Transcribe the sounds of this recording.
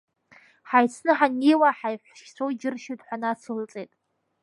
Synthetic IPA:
ħajt͡sʰnɨħaniːwaħajħʷʃkʲt͡ɕʷʰowd͡ʒɪrʃɪdħʷanat͡sʰulɨt͡sʼeːtʼ

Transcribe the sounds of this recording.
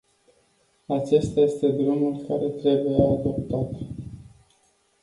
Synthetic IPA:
at͡ʃe̞st̪aje̞st̪e̞d̪ɾumulkaɾe̞t̪ɾe̞bujead̪o̞p̚t̪at̪

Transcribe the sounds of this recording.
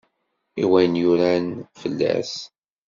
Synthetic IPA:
iwæjnjʊɾænfəlːæ̰s

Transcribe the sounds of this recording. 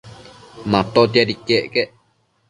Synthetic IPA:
mãt̪ot̪jaɾikeʔkeʔ

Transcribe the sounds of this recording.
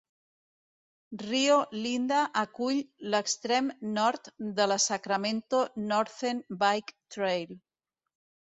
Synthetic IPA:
riolind̪aʔːkuʎləkst̪ɾemnɔɾt̪ðəlasakɾamẽnt̪onɔɾθenbajkt̪ɾejl

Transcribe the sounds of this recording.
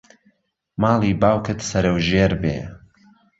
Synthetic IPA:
mɑːlˠiːbaːwkʰɨt̪sɐɾɐwʒeːɾbḛː

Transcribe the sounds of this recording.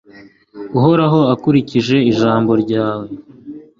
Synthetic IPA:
uɦo̞ɾaɦo̞akuɾiciʒe̞iʒaːmbo̞ɾɟaːwe̞

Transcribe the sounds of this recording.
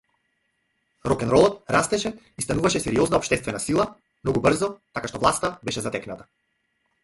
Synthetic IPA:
ɾɔkɛnɾɔlˠɔt̪ɾast̪ɛʃɛ | ist̪anuvaʃɛsɛɾiɔznaɔpʃt̪ɛst̪vɛnasilˠa | mnɔɡubrzɔt̪akaʃt̪ɔvlˠast̪abɛʃɛzat̪ɛknat̪ḁ

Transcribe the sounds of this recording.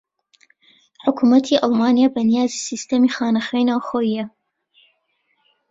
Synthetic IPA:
ħʊkʰumɐt̪ʰiʔɑlˠmaːnijaːbɐnijaːzisist̪ɐmiːxaːnɐxɛjnaːwxoːjijɐ

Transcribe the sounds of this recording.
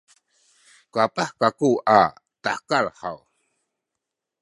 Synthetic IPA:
kuapaħkakuatakalha̰w

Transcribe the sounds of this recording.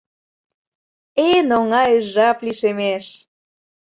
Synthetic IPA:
enoŋɑjyʒːɑpliʃemeʃ

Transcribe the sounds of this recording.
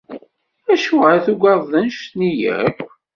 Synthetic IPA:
æʃuʁæθuɡɑðˤðənʃt̪nijæ̰kʷː

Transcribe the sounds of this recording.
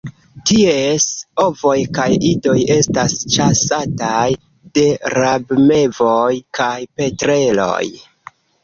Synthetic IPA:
tie̞so̞vo̞jkajido̞je̞stast͡ʃasataj | de̞ɾabme̞vo̞jkʰajpe̞tɾe̞lo̞̰j

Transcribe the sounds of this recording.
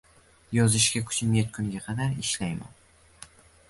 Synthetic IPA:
jɒzɪʃɡʲakʰʊ̥t͡ʃʰɪmjat̪̚kʰʊŋɡʲaqʰɑd̪aɾɪʃlajma̰n

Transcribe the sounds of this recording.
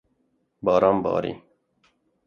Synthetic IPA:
bɑːɾɑmbɑ̰ːɾḭ

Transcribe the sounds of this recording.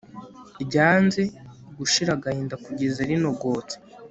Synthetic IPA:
ibɟaːnzeɡuʃiɾaɡahiːndakuɟezeɾino̞ɡo̞ːt͡se̥

